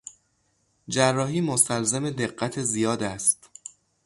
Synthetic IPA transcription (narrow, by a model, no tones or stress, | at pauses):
d͡ʒærːɒːɦiːmost̪ælzemed̪e̞ɢːæt̪ʰezijɒːd̪æst̪